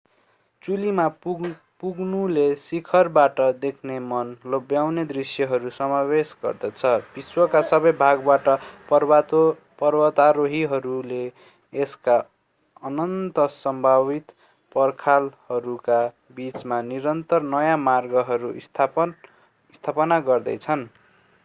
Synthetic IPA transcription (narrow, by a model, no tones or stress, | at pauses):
t͡sulima | puɡnulesikʰʌrbaʈʌd̪ekʰnemʌnlobjawned̪risjʌɦʌɾusʌmabesɡʌ̰rd̪ʌt͡sʰʌbiswʌkasʌbʌjbʱaɡbaʈʌpʌt̪ | pʌrbʌt̪aɾoɦiɦʌɾuleː | ska | ʌnʌnt̪ʌsʌmbʱabit̪ | pʌrkʰalhʌɾuka | bit͡smaniɾʌnt̪ʌrnʌjamarɡʌɦʌɾusʰ | st̪ʰapʌnaɡʌrd̪ʌ̰jt͡sʰʌn